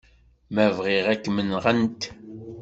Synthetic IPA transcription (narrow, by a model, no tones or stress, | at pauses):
mævʁiʁækːmənʁənt̪